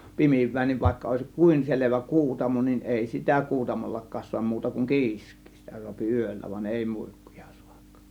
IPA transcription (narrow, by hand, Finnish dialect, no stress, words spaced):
pimiʋˑæː niːʋ ʋɑˑe̝kːɑ oˑe̝sĭk kuˑin seleʋæ kuːtɑmo nin eˑi sitæ kuːtɑmolːɑkˑɑːs suɑm muːtɑ kuŋ ki̞iskˑi̥ː sitæ suɑpi yˑølːæ ʋɑn eˑi mui̥kːu̥j̊ɑ̥ su̥ɑ̥k